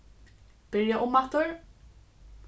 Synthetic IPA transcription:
b̥ɪɾjaʔʊmːat̪ʊɹ

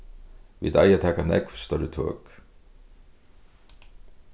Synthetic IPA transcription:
vḭːd̪a̰jat̪ʰɛːkanɛ̰kv̥st̪œɾɪt̪ʰø̰ːk

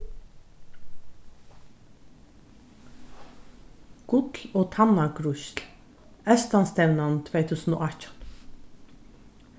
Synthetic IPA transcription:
ɡ̥ʊkoːt̪ʰɑnɑɡɾʊʃl | œst̪ɑnst̪ɛʋnɑnt̪ʰʋeɪt̪ʰʉːsn̩o̰ːɑcən

